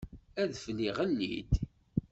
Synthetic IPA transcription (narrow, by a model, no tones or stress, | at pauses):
æðfliʁənːḭd̪